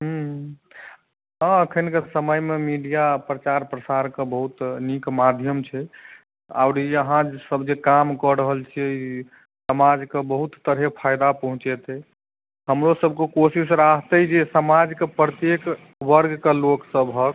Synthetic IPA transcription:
ɦ̩ | ɦə̃əkʰənkesəməjmemiɖijapɾət͡ʃaɾpɾəsaɾkebəɦut̪nikmad̪ʱjəmt͡ʃʰɛ | a̰ʊɾiəɦãd͡ʒsəbd͡ʒekamkəɾəɦəlt͡ʃʰii | səmad͡ʒkebəɦut̪ːəɾɦepʰajd̪apəɦũt͡ʃet̪ɛ | ɦəmɾosəb̚ʱkekosis̬ɾaɦt̪əd͡ʒesəmad͡ʒkepɾət̪jek | ʋəɾɡkeloksəbʱɦək

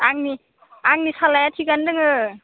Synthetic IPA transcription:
aŋni | aŋnisalajatʰiɡandɯŋɯ

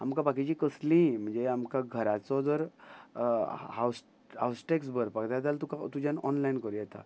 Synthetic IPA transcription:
amkabakit͡ɕiːkəslĩm̤əɳd͡zeamkaɡʱəɾat͡sɔd̪əɾ | ɦaws | ɦawsʈeks̬bəɾpəkd̪ad̪alt̪ukat̪ud͡ʑanɔnlainkəɾujɛt̪a̰

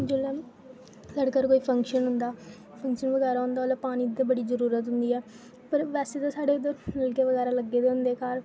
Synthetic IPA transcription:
d͡ʒɪlɛ̃ː | ləɽkəɾkoːiːpʰəŋkʃənɦʊnd̪aː | pʰə̃ŋkʃənʋəɡɛːɾaːɦʊ̃nd̪aːlapaːnĩːd̪əbəɽiːzəɾuːɾət̪ɦʊnd̪iːɛː | pəɾʋɛːseːt̪ãːsaːɽeːʊd̪əɾmɪlkeːʋəɡɛːɾaːləɡːeːd̪eːʊ̃nd̪eːkaːɾ

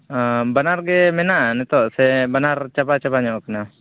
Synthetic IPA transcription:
banaɾɡɛmɛnaʔnɛt̪ɔʔsɛbanaɾt͡ʃabat͡ʃabaɲɔʔkana

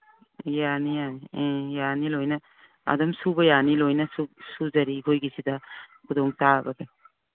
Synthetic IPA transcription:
janijaniẽjanilojnɐ | a̰dɔmsubɐjanilojnɐsusuzɐɾiɡojɡisidɐkʰudɔŋtabɐɡe

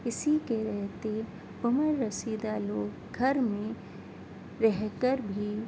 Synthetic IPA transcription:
ɪsikeɾɛɦt̪e | ʊməɾːɐsiːd̪aloːɡ | ɡʱɐɾmẽ | ɾɛɦkəɾbʱi

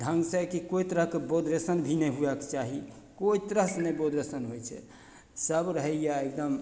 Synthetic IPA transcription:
d̪ʱə̃ŋɡsəkikoit̪ɾəɦkebod̪ɾesənbʱinɛɦuɛkt͡ʃaɦi | koit̪ɾəɦsnebod̪ɾesənɦojt͡ʃʰɛ̰ | səbɾəɦɛjaek̚d̪əm

